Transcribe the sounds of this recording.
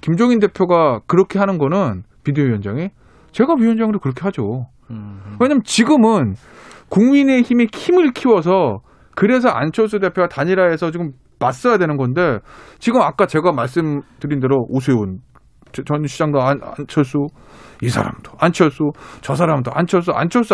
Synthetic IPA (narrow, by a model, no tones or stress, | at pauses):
kimd͡ʑʌŋinde̞pʰjoɡakɯɾʌkʰe̞ɦanɯnɡʌnɯnmideoɥijʌnd͡ʑaŋi | t͡ɕe̞ɡaɥijʌnd͡ʑaŋdokɯɾʌkʰe̞ɦad͡ʑo | we̞ɲamjnt͡ɕiɡɯmɯn | kuŋmine̞çimiçimɯɭkʰiwʌsʰʌ | kɯɾe̞s̬ʰʌa̰nt͡ɕʰʌɭs͈ude̞pʰjoɡataɲiɾae̞sʰʌt͡ɕiɡɯmː | as͈ʌjadwe̞nɯnɡʌnde̞t͡ɕiɡɯmak͈at͡ɕe̞ɡamaɭs̬͈ɯmtɯɾinde̞ɾoʔos̬ʰwe̞on | t͡ɕt͡ɕʌnɕʰid͡ʑaŋdoana̰nt͡ɕʰʌɭs͈u | isʰa̰ɾa̰md̥o̥ant͡ɕʰʌɭs͈ut͡ɕʌs̬ʰaɾamdoʔa̰nt͡ɕʰʌɭs͈ua̰nt͡ɕʰʌɭs͈u